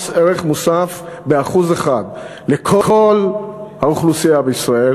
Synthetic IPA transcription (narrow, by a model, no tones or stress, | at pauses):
seʁeχmusafbe̞aχuzeχad̪ | le̞kʰoo̞lhauχlusiabeisʁael